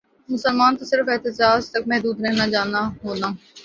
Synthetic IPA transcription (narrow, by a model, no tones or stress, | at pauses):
mʊsəlmaːnt̪osɪɾəfɛːt̪ɪd͡ʒaːd͡ʒt̪ɐk̚mɛɦd̪uːd̪ɾɛɦnad͡ʒaːnaɦoːnaː